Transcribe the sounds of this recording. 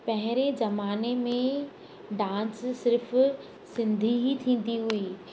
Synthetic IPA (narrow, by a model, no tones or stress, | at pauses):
pɐɦɪɾezɐmaːnemẽ | ɖãːssɪɾf | sɪ̃nd̪ʱiit̪ʰĩːn̆d̪iɦui